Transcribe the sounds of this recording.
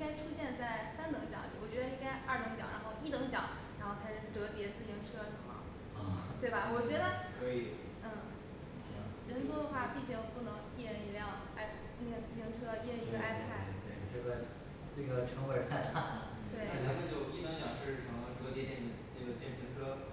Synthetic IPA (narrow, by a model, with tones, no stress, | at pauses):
ŋka˥ɪʈ͡ʂʰu˥ɕjɛ˥˧nt͡sa˥˩ɪsa˥nt̪ɤ˧˥ŋt͡ɕjɑ̰˨˧˥ŋt̪ḭ˨˥wɔ˨˩ɥɛ˧˥d̪ə˧i˥ŋka˥ɪa˞˥˩t̪ɤ˧˥ŋt͡ɕjɑ̰˨˩˦ŋɻʔa̰˧˥nxo˥˧ʊi˥˩t̪ɤ˧˥ŋt͡ɕjɑ̰˨˩˦ | ɻa˧˥nxo˥˧˩ʊt͡sʰa˧˥ɪʂɻ̩˥˧˩ʈ͡ʂɤ˧˥pjɛ˧˥t͡sɹ̩˥˩ɕi˧˥ŋʈ͡ʂʰɤ˥ʂ̩˧˥mɐ̰˨˩˥ | t̪we˥˩ɪbɐ˩wɔ˨˩t͡ɕɥɛ˧˥d̪ə˧kwə˧˥i˧˩ | n̩˥˩˥ | ɻə˧˥nt͡swɔ˥d̪ə˧xwa˥˩pi˥˩t͡ɕʰjɛ˧˥jpu˥˩nɤ˧˥ŋi˥˧ɻə˥˩ni˧˥ljɑ˥˩ŋ | a˥ɪ | ne˥˩ɡə˩t͡sɹ̩˥˩ɕi˧˥ŋʈ͡ʂʰɤ˥i˥˧ɻə˥˧ni˧˥ɡə˧ʔa˥˩ɪpʰa˥˩ɪt̪we˥˩ɪʈ͡ʂɤ˥˩ɡə˩ | ʈ͡ʂɤ˥˩ɡə˩ʈ͡ʂʰɤ˧˥ŋwe˧˥t̪a˥˧ɪt̪ʰa˥˩ | t̪we˥˩ɪa˥˩la˧˥mə˥˧t͡ɕjo˥˩ʊi˥˩t̪ɤ˧˥ŋt͡ɕjɑ˨˩ŋʂɻ̩˥˧ɻ̩ʰ˥˩ɑ˧˥ŋ˧ʈ͡ʂɤ˧˩jɛ˥jɛ˥˩nd̪ə˧˩na˥˩ɡə˩t̪jɛ˥˩ə˧˥ŋʈ͡ʂʰɤ˥